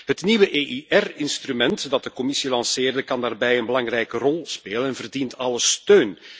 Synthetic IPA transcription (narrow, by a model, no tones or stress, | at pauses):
ɦətniʋəʔeʔiʔɛrɪnstrymɛntdɑt̚dəkɔmɪsilɑnseːrdəkɑndaːrbɛjənbəlɑŋrɛjkərɔlˠspeːlənɛnvərdintɑləstøːn